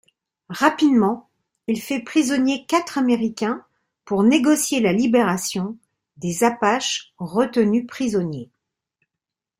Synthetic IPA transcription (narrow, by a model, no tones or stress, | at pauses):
ʁapid̪mɑ̃ | ilfɛpχizɔnjekat̪χameʁikʲɛ̃ | puʁneɡɔsjelalibeʁasjɔ̃ | d̪ezapaʃʁət̪ənypχizɔnje